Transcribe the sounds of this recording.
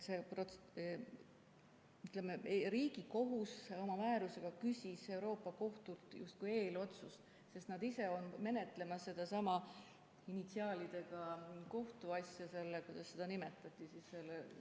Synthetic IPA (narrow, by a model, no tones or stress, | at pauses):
seprot̪ | yt̪lemeɾiːɡ̥iko̞ɦuso̞mɑmæːɾuse̞ɡ̥ɑkysʲise̞wɾo̞ːpːˑɑko̞ht̪ult̪ˑjṵst̪̚kuje̞ːlo̞t̪sus | se̞st̪nɑd̪ise̞o̞nme̞ne̞t̪ˑle̞mɑsːe̞d̪̥ɑsɑmɑ | init̪siɑːlid̪̥e̞ɡ̥ɑko̞ht̪uɑsʲjɑse̞lːekujd̪̥ɑsːe̞d̪̥ɑnimet̪ːˑɑt̪ʲːˑisisːe̞lːe